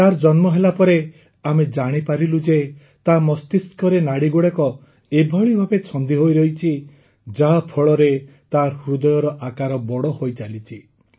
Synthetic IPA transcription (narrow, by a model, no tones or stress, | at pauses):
t̪aɾd͡ʒɔnmɔɦelapɔɾe | amed͡ʒaɽ̃ipaɾilud͡ʒe | t̪amɔst̪iskʰɔɾenaɽiɡuɽekɔ | ebʱɔɭibʱabet͡ʃʰɔnd̪iɦojɾɔɦit͡ʃʰi | d͡ʒapʰɔɭɔɾe | t̪aɾhɾud̪ɔjɔɾɔʔakaɾɔbɔɽɔhojt͡ʃalit͡ʃʰi